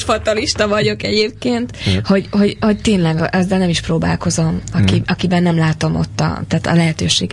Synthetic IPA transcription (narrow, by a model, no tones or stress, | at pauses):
ʃfɒt̪ɒliʃt̪ɒvɒɟo̞kɛɟeːp̚keːnt̪ho̞ɟho̞ɟho̞ct̪eːnlɛɡʔɒzːɛlnɛmiʃproːba̰ːlko̞zo̞mɒkiɒkibɛnːɛmlaːt̪o̞mo̞̰t̪ːɒ̰t̪aːt̪ɒ̰lɛɦɛt̪øːʃeːɡ